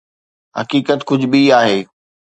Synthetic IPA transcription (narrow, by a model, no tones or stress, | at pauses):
ɦɐ̰kiːkət̪kʊd͡ʑʱʊɓiaːɦeː